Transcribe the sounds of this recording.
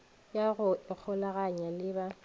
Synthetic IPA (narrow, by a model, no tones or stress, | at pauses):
jaɣʊɪk͡xʰɔlaɣaɲalɪba